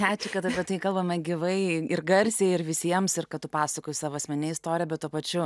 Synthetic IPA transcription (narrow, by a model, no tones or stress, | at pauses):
æːt͡ʃʲɪkɐt̪ɐpʲiɛt̪ɐɪkɐlˠbɐmɐɡʲɪʋɐɪɪrɡɐɾʲsʲeɪɪrʋʲɪsʲiɛmsɪrkɐt̪ʊpɑːsɐkoːjɪsɑːʋoːɐsʲmʲɛnʲɛɪst̪oːɾʲɪjɛbʲɛt̪̚uɔpɐt͡ʃʲʊ